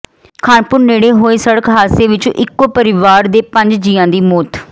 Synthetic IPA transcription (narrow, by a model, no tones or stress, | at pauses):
kʰaːnpʊɾneːɽeːɦoːeːsəɽəkɦaːseːʋɪt͡ʃʔɪkːoːpəɾɪʋaːɾd̪eːpə̃ɲd͡ʒd͡ʒiːãːd̪iːmoːt̪